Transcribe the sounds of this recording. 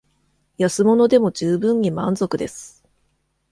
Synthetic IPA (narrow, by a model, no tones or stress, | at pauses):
jasɨmo̞no̞d̪e̞mo̞ʑɨːbɯ̟̃ɲ̟ːimãnzo̞kɯ̟d̪e̞sɨ̥